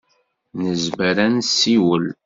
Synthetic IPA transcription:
nəzməɾænsiwəl

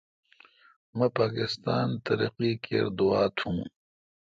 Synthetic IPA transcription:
mɐpaːkɪst̪aːnt̪ɐɾḭqikḛɾd̪uaːt̪ʰhũː

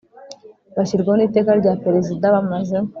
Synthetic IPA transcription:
βaʃiɾɡaonite̞ːkaɾɟaːpeɾezidaβamaze

